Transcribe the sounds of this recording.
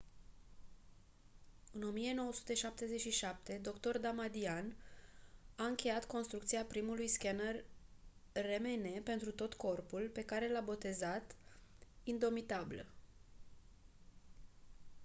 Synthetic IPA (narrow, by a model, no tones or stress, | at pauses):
ɨno̞mije̞no̞wəsu̥t̪e̞ʃap̚t̪e̞ze̞t͡ʃʃiʃap̚t̪e̞d̪o̞kt̪o̞rd̪amad̪ian | aɨŋkʲe̞jat̪ko̞nst̪ɾuk̚t̪siapɾimulujskʲanərː | e̞me̞ne̞pe̞nt̪ɾut̪o̞t̪ko̞rpulpe̞kaɾe̞labo̞t̪e̞zat̪ | ind̪o̞mit̪abilə